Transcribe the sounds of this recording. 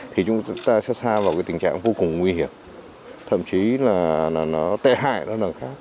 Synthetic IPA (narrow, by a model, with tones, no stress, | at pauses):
t̪ʰi˨˩t͡ɕʊ˨˦ŋ͡mt̪aː˧sɛ̰˧˥saː˧vaː˨˩wkaː˨˦jt̪ï˨˩ŋ̟t͡ɕa̰ː˧˨ŋvo˧kʊ˨˩ŋ͡mŋwi˧hi˧˩əm | t̪ʰə̰˧˨mt͡ɕi˨˦laː˨˩nɔ˨˦nɔ˨˦t̪ḛ˧˨ɦa̰ː˧˨jnɔ˨˦lə˨˩xaː˦˥k̚